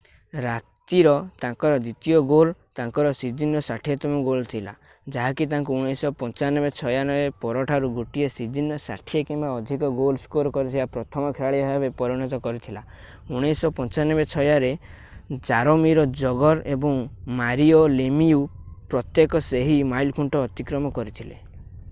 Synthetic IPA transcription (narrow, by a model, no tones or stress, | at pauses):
ɾat̪iɾɔt̪ãŋkɔɾɔd̪it̪iɔɡolt̪ãŋkɔɾɔsid͡ʒinɔsaʈʰiet̪ɔmɔɡolt̪ʰila̰ | d͡ʒaɦakit̪̬aŋkuuɽ̃esɔpɔ̃nt͡ʃanɔbet͡ʃʰɔjanɔbepɔɾɔʈʰaɾuɡuʈiesid͡ʒinɔsa̰ʈʰiekimbaɔd̪ʱikɔɡolskoɾkɔɾit̪ʰibapɾɔt̪ʰɔmɔkʰeɾaɭiɔabepɔɾiñɔt̪ɔkɔɾit̪ʰila | uɽ̃esɔpɔnt͡ʃanɔbet͡ʃʰɔjaɾe | d͡ʒaɾɔmiɾɔd͡ʒɔɡɔɾebɔŋmaɾiɔlemiupɾɔt̪jekɔseɦimajlkʰuɳʈɔːt̪ikɾɔmɔkɔɾit̪ʰilḛ